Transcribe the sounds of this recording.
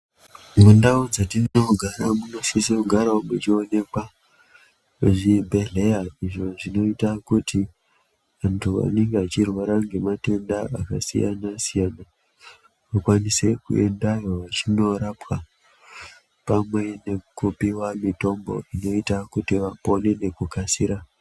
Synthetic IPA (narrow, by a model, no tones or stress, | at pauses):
mundaod͡zatinoɡʱaɾamuno̞sisekuɡʱaɾaomut͡ʃio̞ne̞kwa | ʐibʱe̞ɮe̞jaiʐo̞ʐino̞itakuti | ʋantʰua̰ne̞ŋɡeat͡ʃirwaɾaŋɡe̞mate̞ndaaka̰sḭja̰nasijana | makwanise̞kṵe̞̰ndajo̞ʋat͡ʃino̞ɾapwa | pamwe̞ne̞kupiwamito̞mbo̞̰ino̞itakutiʋapo̞ne̞ne̞kukasiɾa